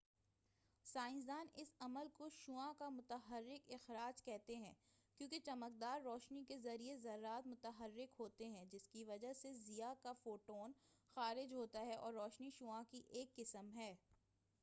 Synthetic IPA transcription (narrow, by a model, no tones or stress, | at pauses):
saːɪ̃nzaːnɪsɐməlkoʃuãkamʊt̪əɦəɾːɪkɪxɾaːd͡ʒkɛɦt̪eɦɛ̃ːkjõːket͡ʃɐmək̚d̪aːɾːɔːʃnikezɐɾiezɐɾːaːt̪mʊt̪əɦəɾːɪkɦoːt̪eɦɛ̃d͡ʒɪskiʋɐd͡ʒaɦsezijakafoːʈoːnxaːɾɪd͡ʒɦoːt̪aɦɛʔɔ̰ːɾːɔːʃniʃuãkiʔeːkːɪsəmɦɛː